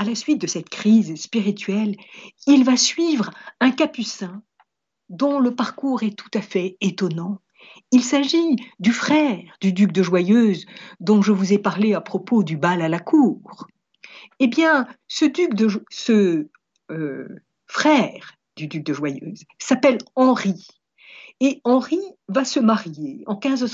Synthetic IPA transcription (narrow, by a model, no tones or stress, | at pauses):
alasɥit̪̚d̪əsɛt̪kχizspiʁit̪ɥɛlilvasɥivʁɛ̃kapysɛ̃ | d̪ɔ̃ləpaʁkuʁɛt̪ʰu̥t̪afɛet̪ɔnɑ̃ | ilsaʒid̪yfχɛʁd̪yd̪yk̚d̪əʒwajøzd̪ɔ̃ʒəvuzɛpaʁleapχɔpod̪ybalalakʰuːʁ | ebjɛ̃səd̪ykd̪əsə | ø | fχɛːʁ | d̪yd̪yk̚d̪əʒwajø̰ːz | sapɛlɑ̃ʁi | eɑ̃ʁivasəmaʁjeɑ̃kʲɛ̃zə